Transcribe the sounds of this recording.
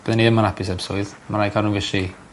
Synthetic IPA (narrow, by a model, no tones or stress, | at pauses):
b̥əðəniəmanapʰɪs̬ɛbsɔɨðmanajkʰanunvɪʃi